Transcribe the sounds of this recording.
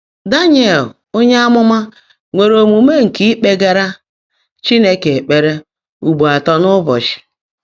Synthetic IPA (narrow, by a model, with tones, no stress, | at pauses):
da˦ɲ˦e˨l | o˦ɲe˦a˦mʊ˦ma˦ | ŋʷe˨ɾo˨mu˨me˦ŋ̩˨ki˦k͡pe˦ɡa˦ɾa˦ | t͡ʃi˦ne˦ke˨e˨k͡pe˨ɾe˦ | u˨ɡ͡bu˨a˨tɔ˦nʊ˦bɔ̰˨t͡ʃɪ̥˨